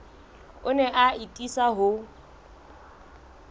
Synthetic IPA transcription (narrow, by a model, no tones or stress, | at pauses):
ʊnɛʔaitʼisaɦʊ